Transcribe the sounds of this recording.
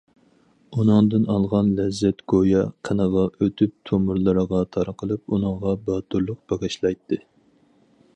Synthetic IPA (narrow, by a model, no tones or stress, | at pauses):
unɨŋd̪ɨnɑlˠʁɑnlɛzːɛt̪ɡ̥ojɑqʰənəʁɑʔøt̪ʰyp̚t̪ʰomuɾlˠɨɾəʁɑt̪ʰɑɾəqʰəlˠɨp̚unɨŋʁɑbɑːt̪ʰuɾlˠʊq̚b̥ɑʁɨʃlˠɑjt̪ʰːɨ